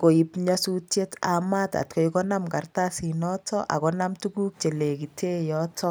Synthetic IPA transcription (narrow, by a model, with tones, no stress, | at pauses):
ko˨i˨pɲasu˦tje˦ta̰ma˦ta̰˨t̚ko˨˦jkɔ˦na˦mka˨rta˦si˨nɔtɔ˦ʔa̰˨kɔna˦mtuku˦k̚t͡ʃe˨le˨ki˨te˦jɔtʰɔ˦